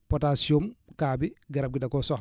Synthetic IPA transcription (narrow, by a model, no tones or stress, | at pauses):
pɔtasiomkaːbiɡɐɾɐp̚ɡidakɔsɔx